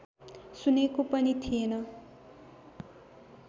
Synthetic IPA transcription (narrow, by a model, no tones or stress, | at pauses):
sunekopʌnit̪ʰienʌ